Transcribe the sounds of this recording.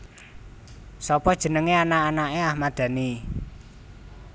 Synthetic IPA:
sɔpɔd̥ʒ̥ə̤nəŋeanaːnaʔeahmad̪̥ä̤ni

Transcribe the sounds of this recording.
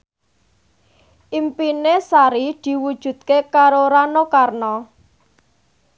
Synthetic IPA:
ʔimpinesaɾid̪̥i̤wud̥ʒ̥ṳt̪̚kekaɾoɾanokarnɔ

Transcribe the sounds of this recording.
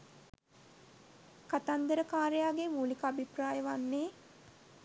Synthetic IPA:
kat̪and̪əɾəkaːɾejaːɡemuːlikəabipraːjəʋanːeː

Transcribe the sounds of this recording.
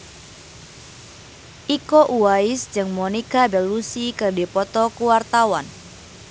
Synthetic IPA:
ʔikɔʔuaɪsd͡ʒɨŋmɔnikabɛlusikɨrdipɔt̪ɔkuwart̪awan

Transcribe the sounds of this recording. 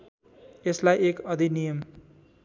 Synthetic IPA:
eslajekʌd̪ʱinijʌm

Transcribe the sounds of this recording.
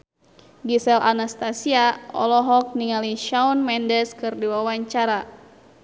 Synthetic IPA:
ɡisɛlʔanast̪asiaɔ̰lɔɦɔk̚niŋaliʃaunmɛndɛskɨrdiwawaɲt͡ʃaɾa

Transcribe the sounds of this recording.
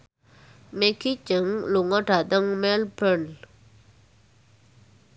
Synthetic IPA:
mekʰicaŋluʔŋaʈ͡ʂad̪aŋmɛlpən

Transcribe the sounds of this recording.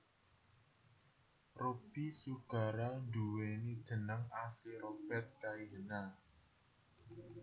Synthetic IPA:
rub̥isuɡ̥a̤ɾanduwenid̥ʒ̥ə̤nəŋasiɾob̥ɛt̪̚kaiɦəna

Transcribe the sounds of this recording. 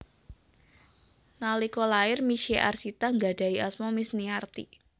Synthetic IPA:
nalikɔlaɪrmiʃeʔa̰rsit̪aŋɡad̥a̤iʔasmɔmɪsniart̪ḭ

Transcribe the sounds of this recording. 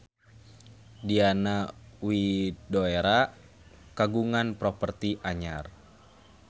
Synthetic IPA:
dianawidoeɾa | kaɡuŋanpɾɔpərt̪iʔaɲar

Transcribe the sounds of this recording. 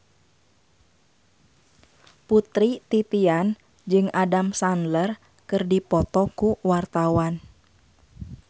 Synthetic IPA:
put̪ɾit̪it̪ian | d͡ʒɨŋadamsanlər | kɨrdipɔt̪ɔkuwart̪awan

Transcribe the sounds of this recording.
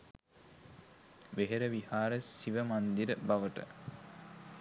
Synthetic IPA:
ʋeɦeɾəʋihaːɾəsiʋəmand̪iɾəbaʋəʈə̰

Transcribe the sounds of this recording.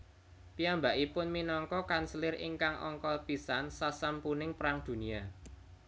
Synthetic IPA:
piambaʔipʊnminɔŋkɔkansəlɪrɪ̰ŋkaŋʔɔ̰ŋkɔpisansasampunɪŋpɾaŋd̪̥ṳnia

